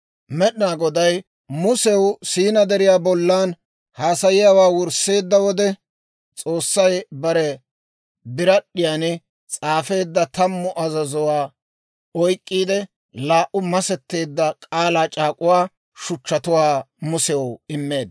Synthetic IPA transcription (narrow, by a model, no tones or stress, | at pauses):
mɛɗɪnaːɡɔd̪ɐj | mʊsɛwsiːnɐd̪ɛɾɪjaːbɔlːaːn | haːsɐjɪjawaːwʊɾsːe̞ːd̪ːɐwɔd̪ɛ | t͡sʼo̞ːsːɐjbɐɾɛ | bɪɾɐɗːɪjaːnɪ | t͡sʼaːfe̞ːd̪ːɐt̪ɐmːʊʔɐzɐzʊwaː | ɔjkʼːiːd̪ɛ | laːʔʊmɐsɛt̪ːe̞ːd̪ːɐkʼaːlaːt͡ʃʼaːkʼʊwaː | ʃʊt͡ʃːɐt̪ʊwaː | mʊsɛwɪmːe̞ːd̪